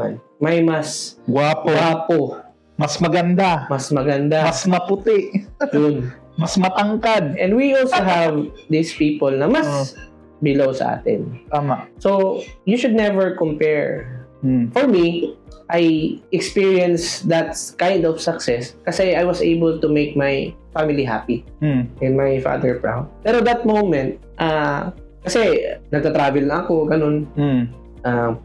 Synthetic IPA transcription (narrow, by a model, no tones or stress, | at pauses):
a̰n | mɐjmɐsɡwaːpowapo | mɐsmɐɡɐnd̪amɐsmɐɡɐnd̪amɐsmɐpʊt̪ɪʔjʊn | mɐsmɐt̪ɐŋkad̪̚ʔɛ̃nd̪wiʔolsoɦavd̪ispiːpɔlnɐmɐs | bɪlowsɐ̰ʔa̰ːt̪ɪ̰nt̪aːmaʔsojuʃʊd̪̚nɛvɛɹkɔmpɛɹ | fɔɹmiʔajʔɛkspiɹiɛ̃nsd̪ɐt̪̚kãjnd̪ɔfsɐksɛskɐsɛajwɐsejbɛlt̪ʊmejk̚majfamɪliɦa̰pi | ʔɪ̃nmajfa̰d̪ɛɹpɹa̰wpɛɾoɐt̪̚d̪ɐt̪̚mõwmɛ̃nt̪̚ʔa | kɐsɛnɐɡ̚t̪ɐt̪ɾaːvɛlnɐʔɐkoɡɐnon | ʔa